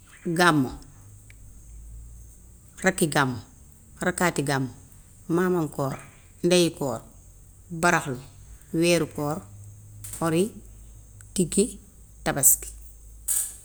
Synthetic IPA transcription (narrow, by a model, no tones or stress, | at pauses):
ɡamːo | rakːiɡamːo | rakaːtiɡamːo | mamaŋkoːɾ | ndajikɔːɾ | baɾaxloweːɾukɔːɾ | oɾi | tiɡi | tabaski̥